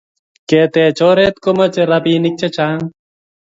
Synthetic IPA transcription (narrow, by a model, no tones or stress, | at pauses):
keːt̪eːt͡ʃoːɾeːt̪komɐt͡ʃeɾɐbiːnik̚t͡ʃet͡ʃaːŋ